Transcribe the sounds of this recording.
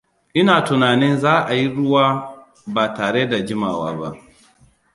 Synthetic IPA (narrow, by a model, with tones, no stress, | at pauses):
ʔɪ˦naː˨tʊ˨naː˨nɪ˦nzaː˦ʔa˨ji˦ɽʊ˦waː˦ | baː˨taː˨ɽeː˦da˨d͡ʒɪ˦maː˨wa̰ː˦ba̰˦ʔ